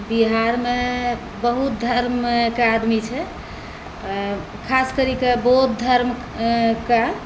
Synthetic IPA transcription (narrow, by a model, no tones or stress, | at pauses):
biɦaɾme | bəɦut̪̚d̪ʱəɾmkead̪mit͡ʃʰɛ | kʰaskəɾikebɔɦut̪̚d̪ʱəɾm | ka